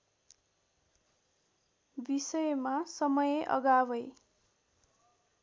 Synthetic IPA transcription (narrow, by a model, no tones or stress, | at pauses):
bisʌjmasʌmʌjeʔʌ̰ɡabʌj